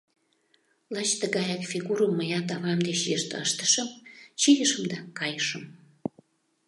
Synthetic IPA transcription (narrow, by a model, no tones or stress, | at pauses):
lɑt͡ɕt̪əɣɑjɑkfʲiɣuɾəmːəjɑt̪ɑβɑmd̪et͡ɕjəʃt̪ə̰ʃt̪ə̥ʃəmt͡ɕijəʃəmd̪ɑkɑjəʃəm